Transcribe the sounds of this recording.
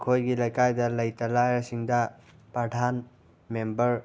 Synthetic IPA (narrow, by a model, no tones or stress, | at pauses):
kʰojɡilɐjkajdɐlɐjtɐlajɐsiŋdɐ | pɾɐdʱan | membɐɾ